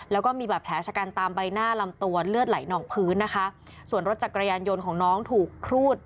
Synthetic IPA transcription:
lɛː˦˥wkɔː˥˩miː˧bɛː˨˩pʰɛː˩˦˥t͡ɕʰa˧kaː˧nt̪aː˧mba˧jnaː˥˩la˧mt̪u˧ɐlɯ˥˩ət̪̚la̰˨˩˦jnɔː˨˩ŋpʰɯː˦˥nːa˦˥kʰa˦˥ | su˨˩ənɾo˦˥t̪̚t͡ɕa˨˩kːɾa˧jaː˧njo˧nkʰɔː˩˦ŋnɔː˦˥ŋt̪ʰuː˨˩kʰɾuː˥˩t̪̚

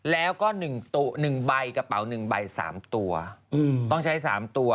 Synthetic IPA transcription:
lɛː˦˥wkɔː˥˩nɯ˨˩ŋt̪u˧nɯ˨˩ŋba˧jka˧pa˩˦wnɯ˨˩ŋba˧jsa̰ː˩˦mt̪u˧ɐʔɯ˧t̪ɔ˥˩ŋt͡ɕʰa˦˥jsaː˩˦mt̪u˧ɐ

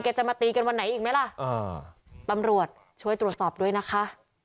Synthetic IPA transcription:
nkɛ˧˥t͡ɕa˧ma˧t̪iː˧ka˧nwa˧nːa˩˦ʔiː˨˩k̚m˦˥jla˧˩ʔʔaː˧˩ | a˧mɾu˨˩ət̪̚ | t͡ɕʰu˥˩əjt̪ɾu˨˩t̪̚sɔː˨˩p̚du˥˩əjna˦˥kʰa˦˥ʔ

